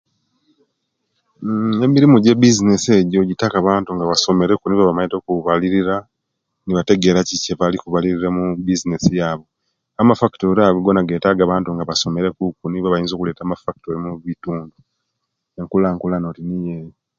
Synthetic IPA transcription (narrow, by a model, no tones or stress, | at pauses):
e̞miɾimuɟe̞bizinese̞ɟo̞ɟitakaβaːntuŋɡaβaso̞me̞ɾe̞kuniβaβamaɲito̞kuβaliɾiɾa | niβate̞ɡe̞ːɾaciceβalikuβaliɾiɾemubizinesijaːβo̞ | amafaktoɾaβoɡo̞naɡe̞ːtaɡaβaːntuŋɡaβaso̞me̞ɾe̞kukuniβaβajiːnzo̞ːkule̞ːtaːmafaktoɾimuβituːndu | eŋkulaːŋkulano̞tinijeji